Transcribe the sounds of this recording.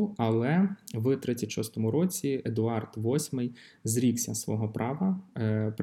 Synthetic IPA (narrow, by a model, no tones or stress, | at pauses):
ɐlˠɛʋɨt̪ɾɪt͡sʲːɐtʲʃɔst̪ɔmʊɾɔt͡sʲied̪ʊɑrt̪ʋɔsʲmɪjzɾʲiksʲɐsʋɔɦɔpɾʔɑʋɐp